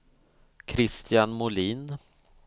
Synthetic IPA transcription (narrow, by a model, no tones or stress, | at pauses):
kʰɾɪst̪ʰjanmʊliːn